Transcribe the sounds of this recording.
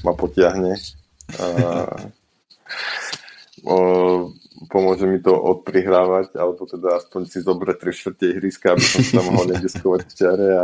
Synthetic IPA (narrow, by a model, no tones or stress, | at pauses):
mapɔcɪaɦɲɛ | pɔmʊɔʒɛmit̪ɔʔɔt̪̚pɾiɦɾaːʋaca̰lɛbɔt̪ɛd̪aaspɔɲsizɔbɾɛc̚t̪ɾiʃt̪r̩cɛjɦɾiskaabisɔst̪amɔɦɔlɲɛɡiskɔʋacft͡ʃɪaɾɛa